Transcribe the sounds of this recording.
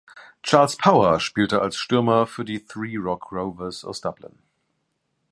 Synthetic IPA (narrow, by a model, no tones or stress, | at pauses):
t͡ʃʰaːlspʰaʊəʃpiːltəalsʃtøɐməfyːɐdiːθɹiːɹɔkʰɹoʊvəsɔ̰sd̥ablə̰̃n